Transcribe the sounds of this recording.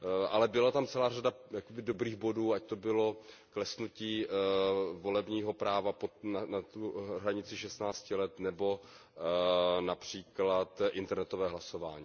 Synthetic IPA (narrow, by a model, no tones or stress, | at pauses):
ʔalɛbɪlat̪amt͡sɛlaːradajakobɪdobɾiːɣbo̞duːact̪obɪlo̞ | klɛsnuciː | vo̞lɛbɲiːɦo̞pɾaːvaponanat̪uɦɾaɲɪt͡sɪʃɛst̪naːt͡scɪlɛt̪nɛbo̞ | napr̝̥iːklat̪ʔɪnt̪ɛɾnɛt̪ovɛːɦlaso̞va̰ːɲiː